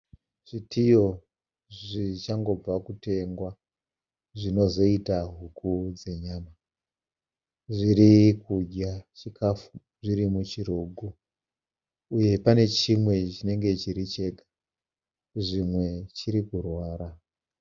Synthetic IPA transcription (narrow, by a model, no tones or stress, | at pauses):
ʐ̥itʰijo̞ | ʐʐit͡ʃaŋɡo̞b͡vakute̞ŋɡwa | ʐino̞zo̞itaɦukʰud͡ze̞ɲaːma | ʐiɾikuɟat͡ʃikʰafu | ʐiɾimut͡ʃiruːɡʱu | uje̞pane̞t͡ʃimwe̞t͡ʃine̞ŋɡe̞t͡ʃiɾit͡ʃe̞ɡḁ | ʐimwe̞t͡ʃiɾikurwaːɾa